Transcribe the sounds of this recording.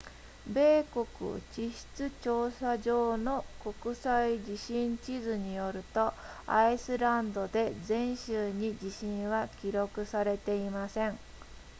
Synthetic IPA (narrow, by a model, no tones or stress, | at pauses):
be̞ːko̞kɯ̟̰t͡ɕiɕi̥t͡sɨt͡ɕo̞ːsaʑo̞ːno̞ko̞kɯ̟said͡ʑiɕĩɲt͡ɕizɨɲ̟ijo̞ɾɯ̟t̪o̞aisɨɾãnd̪o̞d̪e̞zẽ̞ɰ̃ɕɨːɲ̟id͡ʑiɕĩɰ̃βakʲiɾo̞kɯ̟saɾe̞t̪e̞imasẽ̞ŋ